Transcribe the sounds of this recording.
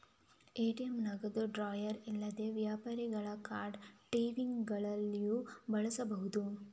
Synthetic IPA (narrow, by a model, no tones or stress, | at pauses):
eːʈijɐmnɐɡɐd̪uɖɾaːjɐɾilːɐd̪e̞ʋjaːpaːɾiɡɐɭɐkaːɾɖʈiːʋiŋɡɡɐɭɐlːijubɐɭɐsɐbɐɦud̪u